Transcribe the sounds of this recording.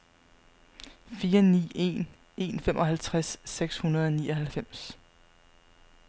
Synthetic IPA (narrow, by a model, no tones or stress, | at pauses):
fiːɐnḭːe̝̰n | e̝nfemʔɒ̽ɦælt͡sʰʁasːeɡ̥shunɐð̞ˠɒ̽niːɒ̽hælfem̰s